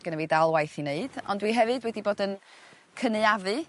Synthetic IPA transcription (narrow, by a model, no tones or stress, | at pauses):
ɡənəvidalˠwajθineɨd̥ɔ̰ndwiɦɛvɨdwɛdiboːdən | kʰənɨavɨ